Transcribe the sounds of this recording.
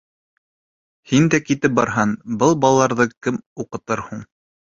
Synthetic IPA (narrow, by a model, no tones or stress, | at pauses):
hind̪ækit̪ɘp̚bɑɾɦɑnbɤlˠbɑlˠlˠɑɾðɤkɘmuqɤ̆t̪ɤɾhuɴ